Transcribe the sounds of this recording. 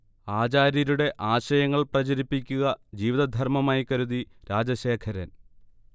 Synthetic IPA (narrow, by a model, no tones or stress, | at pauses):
aːt͡ɕaːɾɐɾuɽe̞ʔaːɕɐjɐŋːɐɭprɐd͡ʑɐɾipːikʲːuɣɐd͡ʑiːʋiðɐd̪ʱɐrmɐmaːjikɐɾuðiɾaːd͡ʑɐɕe̞ːkʰɐɾɐn